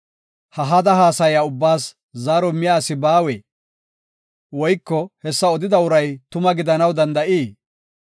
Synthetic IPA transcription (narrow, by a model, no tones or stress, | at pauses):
hɐɦɐd̪ɐɦaːsɐjaʊbːaːs | zaːɾɔmɪjaːsɪbaːweː | wɔjkːɔhɛsːɐɔd̪ɪd̪ɐʊɾɐjt̪ʊmɐɡɪd̪ɐnɐwd̪ɐnd̪ɐʔiː